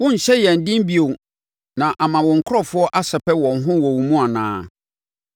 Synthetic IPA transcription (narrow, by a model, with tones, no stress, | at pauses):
wʊ̃˦ɲ̩˨ɕɛ˦jɛ˨n̩˨dɪ̃˦m˦bi˨o˨ | nã˨ʔa˨mã˨wɔ̃˨ŋ̩˨kʰʊ˦ɾɔ˦fʊ˦ɔ˦ʔa˦sɛ˨pʰɛ˦wɔ̃˨nɦʊ̃˦wɔ˨wu˨mũ˦a˨nã̰ː˦